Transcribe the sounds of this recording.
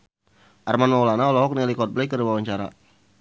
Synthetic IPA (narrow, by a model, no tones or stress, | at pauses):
ʔarmanmawlanaɔlɔɦɔk̚nɛlikɔt̪̚blakəriwawaɲt͡ʃaɾa̰